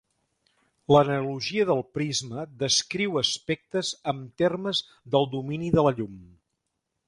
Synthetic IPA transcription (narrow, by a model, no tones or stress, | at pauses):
lənəluʒiəðəlˠpɾizməðəskɾiwəspɛk̚t̪əzəmt̪erməz | ðəlˠd̪uminiðələʎum